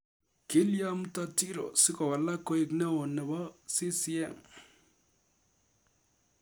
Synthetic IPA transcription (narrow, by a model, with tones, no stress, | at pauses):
kɪ˦lja˦m˦ta˦ti˦ɾo̰˨sɪ˦kɔ˨wa˨la˦kɔ˦i˦˨knɛ˦o˨nɛ˨bɔ˦si˦si˦ɛ˦˨ŋ